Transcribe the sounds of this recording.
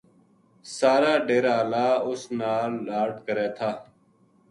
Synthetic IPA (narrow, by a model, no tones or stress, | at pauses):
saːɾaːɖeːɾaːlaːʊsnaːaːʈkəɾeːt̪ʰaː